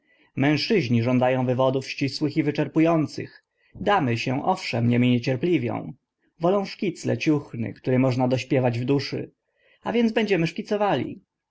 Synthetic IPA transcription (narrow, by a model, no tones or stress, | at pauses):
mɛ̃w̃ʂɘʑɲiʐɔnd̪ajɔ̃w̃vɘvɔd̪ufɕt͡ɕiswɘxivɘt͡ʂɛɾpujɔnt̪sɘ̰x | d̪amɘɕɛ̃ʔɔfʂɛmɲɛmʲiɲet͡ɕɛɾplʲivʲjɔ̰̃w̃ | vɔlɔ̃w̃ʂkʲit̪slɛ̰t͡ɕuxnɘ̰kt̪uɾɛmɔʐnad̪ɔɕpʲjɛvad͡ʑvd̪uʂɘ̰ | a̰vʲjɛndzbɛɲd͡ʑɛmɘʂkʲit̪sɔvalʲḭ